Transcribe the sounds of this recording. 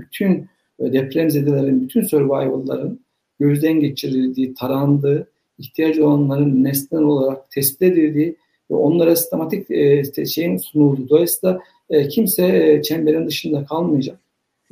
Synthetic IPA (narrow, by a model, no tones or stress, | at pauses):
byt̪ʰyn | d̪ɛpʰɾemzed̪elʲeɾinbyt̪ʰynsøɾbajolˠːa̰ɾɯn | ɟø̞zd̪ɛnɟet͡ʃʰiɾilʲd̪iːt̪ʰaɾand̪ɯː | içt̪ʰijad͡ʒo̞lˠanlˠaɾɯnːɛst̪ʲinino̞lˠaɾak̚t̪ʰɛsbi̥t̪e̞d̪ild̪iː | vɛ̰o̞nlˠaɾasi̥st̪ʰe̞mat̪ʰic̪ʃejinsunulˠd̪ud̪o̞aisɯːd̪ˠa | cʰimsɛt͡ʃʰɛmbeɾind̪ɯʃɯnd̪akʰalˠmɯjad͡ʒak